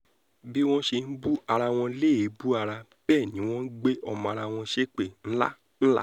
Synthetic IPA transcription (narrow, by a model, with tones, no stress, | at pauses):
bi˦w̃ɔ̃˦ʃe˧n̩˦bu˦a˧ɾa˧w̃ɔ̃˧leː˦˨˦bu˦a˧ɾa˧b̥ɛː˦˨nĩ˨˦w̃ɔ̃˦n̩˦ɡ͡be˦ʔɔ˧mɔ̃˧a˧ɾa˧w̃ɔ̃˧ʃe˦k͡pe˦˨n̩˦la̰˦ | n̩˦la̰˦